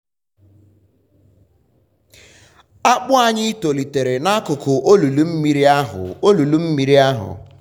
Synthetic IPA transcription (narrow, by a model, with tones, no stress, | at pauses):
a˦k͡pʊ˦a˨ɲɪ˦i˦to˨li˨te˨ɾe˨na˦a˦kʊ˨kʊ˨ʔo˦lu˨lu˦m̩˦mi˨ɾi˦a˦ɦʊ̰˨o˦lu˨lu˦m̩˦mi˨ɾi˦a˦ɦʊ̰˨